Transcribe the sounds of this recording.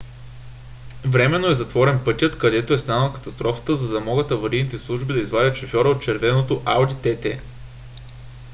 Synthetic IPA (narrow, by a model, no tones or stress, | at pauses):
vɾɛmɛnːoɛzɐt̪vɔɾɛnpɤt̪ʲjət̪kɐd̪ɛt̪oɛst̪anəlˠkɐ̥t̪ɐst̪ɾɔfə̥t̪əzɐd̪ɐmɔɡət̪ɐvɐɾid̪nit̪ɛslˠuʒbid̪ɐizvadʲət̪ʃofʲɔɾəot̪̚t͡ʃɛɾvɛnot̪oʔalˠd̪it̪ɛt̪ɛ